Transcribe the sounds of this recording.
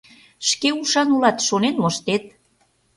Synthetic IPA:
ʃkeuʃɑnulɑt̪ʃonenmoʃt̪et̪

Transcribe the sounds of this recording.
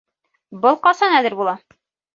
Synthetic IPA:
bɤlˠqɒsɑnælɘɾbulˠɑ

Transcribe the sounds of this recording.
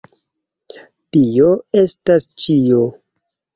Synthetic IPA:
tioe̞stast͡ʃio̞

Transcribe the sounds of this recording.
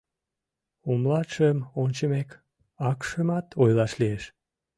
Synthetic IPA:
omlɑʃəmont͡ɕəmek | ɑkʃəmɑt̪ʰojlɑʃlieʃ

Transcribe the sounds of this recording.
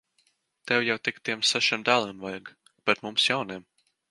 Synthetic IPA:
t̪ɛwjawt̪ikt̪iɛmsaʃiɛmd̪aːlˠimvajɡ | b̥ɛt̪mumsjawniɛm

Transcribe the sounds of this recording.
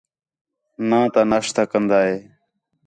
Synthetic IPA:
nãːt̪aːnaːʂt̪aːkənd̪aːɦeː

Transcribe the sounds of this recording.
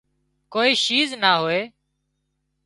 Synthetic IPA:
koːiːʃiːznaːɦoːeː

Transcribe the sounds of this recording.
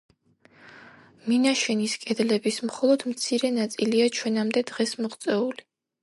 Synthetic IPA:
minaʃɛniskʼɛd̪lɛbismχɔlˠɔd̪̥mt̪sʰiɾɛnat̪sʼiliat͡ʃʰwɛnamd̪ɛd̪ʁɛsmɔʁt̪sʼɛuli

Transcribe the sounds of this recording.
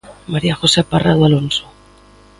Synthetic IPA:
maɾiaxo̞separaðualo̞nso

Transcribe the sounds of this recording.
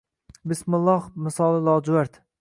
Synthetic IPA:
bɪsmʊlˠːɒhmɪsɒlˠɪlˠɒːd͡ʒʊwaɾt̪

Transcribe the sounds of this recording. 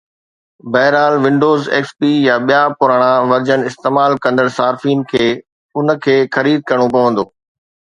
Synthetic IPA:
bɛːɦɾaːlʋɪ̃ɳɖoːzḛːkspijaɓijapʊɾaːɽ̃ãʋɐɾd͡ʑənɪɪst̪eːmaːlkɐ̃nd̪əɽsaːɾfiːnkʰeː | ʊnə̆kʰeːxɐɾiːd̪̚kɐɾɽ̃opɐʋə̃n̆d̪oː

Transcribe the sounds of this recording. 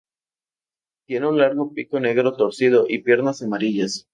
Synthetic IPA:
t̪je̞neunlaɾɣo̞piko̞ne̞ɣɾo̞t̪o̞ɾsið̞o̞ʔipje̞ɾnasamaɾiʝas

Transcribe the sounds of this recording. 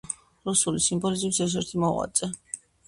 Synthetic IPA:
ɾusulisimbɔlizibsɛʃ̬ɛɾt̪ʰimɔʁwa̰t̪sʼɛ

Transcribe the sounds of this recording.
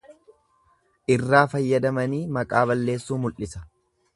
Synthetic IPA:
ʔɪrːaːfɐjːɐd̪ɐmɐniːmɐkʼaːβɐlːe̞ːsːuːmʊlʔɪsɐ

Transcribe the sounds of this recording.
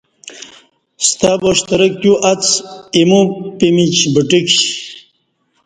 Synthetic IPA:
st̪aboʂt̪ɐɾək̚kjuʔɐt͡simupimit͡ɕbəʈikɕ

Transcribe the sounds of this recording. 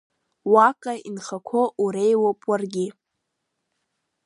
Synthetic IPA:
wakʼainχakʷʰoʔuɾejwopʼwarɡʲi

